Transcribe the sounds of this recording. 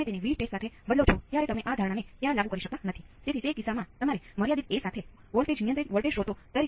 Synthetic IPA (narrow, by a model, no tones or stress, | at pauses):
mẽt̪eniʋiɖʈesʈsat̪ʰebəd̪lot͡ʃʰot̪jaɾet̪əmeʔad̪ʱaɾɳ̃anet̪jãlaɡukəɾiʃək̚t̪anət̪ʰiset̪ʰit̪ekisamãt̪əmaɾeməɾjad̪it̪̚esat̪ʰe | ʋəlʈed͡ʒnijənt̪ɾiʋəɭʈeʃɦot̪ot̪əɾi